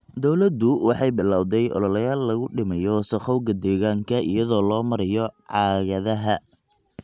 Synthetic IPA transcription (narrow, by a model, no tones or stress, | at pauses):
d̪ɔwlɐd̪ʊwɑħɑjbɪlaːwd̪ɛjʔɔ̰lɔlɐjaːlːɐɣʊɖɪmɐjɔsɐχɔwɣɐd̪ɛːɣaːŋkʰɐʔijɐðɔːlɔːmɐɾɐjɔʕɑːɣɐðɐɦɐ